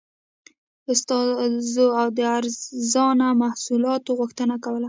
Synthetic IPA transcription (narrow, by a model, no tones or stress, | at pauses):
ʊst̪ɑzoawd̪əaɾzɑnamahsulɑt̪oɣʊxt̪ənakawəla